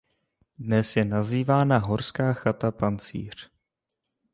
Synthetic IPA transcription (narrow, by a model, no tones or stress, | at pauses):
dnɛsjɛnaziːvaːnaɦo̞ɾskaːxat̪apant͡sḭːr̝̥